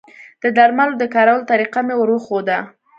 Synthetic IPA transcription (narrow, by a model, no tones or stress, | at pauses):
d̪̥əd̪aɾmalod̪əkɑɾawəlt̪aɾiqamewəɾwəxod̪a